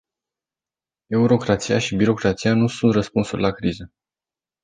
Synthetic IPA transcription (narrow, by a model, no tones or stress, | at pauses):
e̞uɾo̞kɾat̪sijaʃibiɾo̞kɾat̪sijanusunt̪rəspunsurlakɾizə